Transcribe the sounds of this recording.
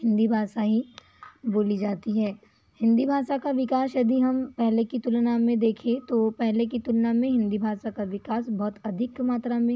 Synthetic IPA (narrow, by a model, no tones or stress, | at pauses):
ɦɪ̃nd̪ibʱaːsaɦi | boːlid͡ʒaːt̪iɦɛː | hɪ̃nd̪ibʱaːʃakaʋɪkaːsjɐd̪iɦɐmpɛɦlekit̪ʊlnamẽd̪eːkʰẽt̪opɛɦlekit̪ʊlnamẽɦɪ̃nd̪ibʱaːsakaʋɪkaːsbɔːt̪ɐd̪ʱɪkmaːt̪ɾamẽ